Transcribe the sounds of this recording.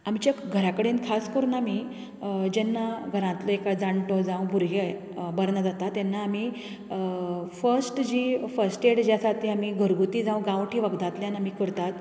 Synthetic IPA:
amt͡ɕaɡʱəɾakəɽenkʰaskəɾunami | d͡ʑɛnːaɡʱəɾãnt̪lɔekad͡zaɳʈɔd͡zãw̃bʱuɾɡe | bəɾɳad͡zat̪at̪jɛnːaːmi | fəɾsʈd͡ʑifəɾsʈeɽd͡ʑjasat̪ʰiamiːɡʱəɾɡut̪iːd͡zãw̃ɡãʋʈʰiːʋəɡd̪ãt̪ljanamiːkəɾt̪at̪

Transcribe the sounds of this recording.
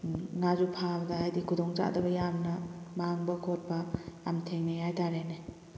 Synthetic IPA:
ŋazupʰabɐdɐajdikʰudɔŋd͡ʒa̰ʔdɐbɐjamnɐmaŋbɐkʰot̚bɐːmtʰeŋnejajtaɾene

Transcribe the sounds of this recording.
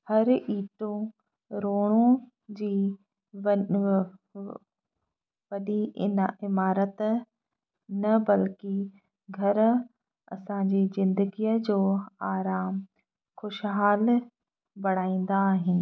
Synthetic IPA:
hɐɾʔiːʈõ | ɾoːɽ̃õ | d͡ʑiː | ʋɐɗiɪmaːɾət̪ | nɐbɐlkɪ | ɡʱɐɾ | ɐ̰sãd͡ʑiːzɪ̃nd̪əɡijəd͡ʑoːaːɾaːm | xʊʃɦaːl | bɐɽ̤̃aːĩːn̆d̪aːɦɪnɪ̆

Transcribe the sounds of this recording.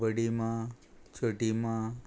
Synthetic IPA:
əɽimãt͡ʃʰəʈimã

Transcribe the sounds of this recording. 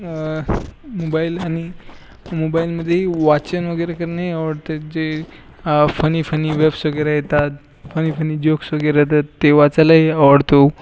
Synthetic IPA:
mobailañi | mobailməd̪ʱːjeʋat͡sənʋəɡəjɾekəɾnaɦiaʋəɽt̪ed͡ʑe | fənifəniʋebsʋəɡeɾajet̪a | fənifənid͡ʑoksəɡeɾaet̪̬at̪ːeʋat͡salaɦiəʋəɽt̪o

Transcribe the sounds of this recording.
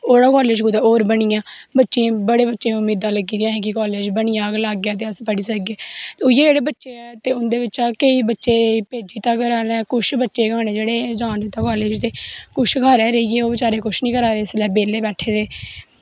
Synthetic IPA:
oːɽaːkɔːleːd͡ʒkud̪aoːɾbəɳijãːbətːʃeːbəɽeːbətːʃẽːʊmiːd̪ãːləɡiːãːɦɛ̃ːk̬ɪkɔːleːd͡ʒbəɳɪjãːɡlaːɡːjaːt̪eːəspəɽiːsəɡeːjeːd͡ʒeːɽeːbətːʃeːɛːt̪eːʊnd̪eːʋɪt͡ʃaːkəiːbətːʃeːpeːd͡ʒiːt̪ãːkəɾaːnɛːkʊʃbətːʃeːɡaːñeːd͡ʒeːɽeːd͡ʒaːnd̪iːt̪ãːkɔːleːd͡ʒt̪eːkʊʃkaːɾɛːɾəiːɡeːoːbɪt͡ʃaːɾeːkʊʃnĩːkəɾaːeːslɛːbeːleːbɛːʈʰeːt̪eː

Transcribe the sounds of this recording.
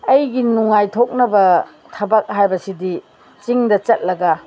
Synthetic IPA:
ɐjɡinuŋajtʰok̚nɐbɐ | tʰɐbɐk̚hajbɐsidi | t͡ʃiŋdɐt͡ʃɐt̚lɐɡɐ

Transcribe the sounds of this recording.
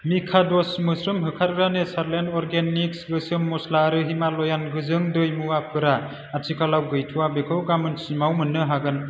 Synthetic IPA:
mikʰadɔsmɯsɾɯmɦɯkʰaɾɯɾanesaɾlentɔɾɡeniksɡɯsɯmːɔslaɾɯɦimalɔjanɡɯzɯŋdɯjmuwapʰɯɾa | atʰikʰalawɡɯjtʰuwabekʰɯwɡamɯnsimawmɯnːɯɦaɡɯn

